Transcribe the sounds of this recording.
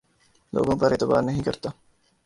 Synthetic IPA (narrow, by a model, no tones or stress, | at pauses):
lʔo̰ːɡõːpɐɾet̪ɪba̰ːɾnɐɦĩkɐɾt̪a